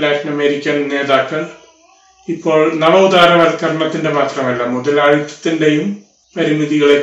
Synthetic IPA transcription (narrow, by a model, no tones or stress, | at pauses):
laːʈinɐme̞ːɾikʲːɐnne̞ːðaːkːɐɭ | ipːo̞ːɭnɐmɐud̪aːɾɐʋɐɾk̪ɐɾɐɳɐt̪ːindemaːt̪rɐmɐlːɐmuðɐlɐɻit̪ːɐ̥t̪ːinde̞jum | pɐɾimiðiɣɐɭe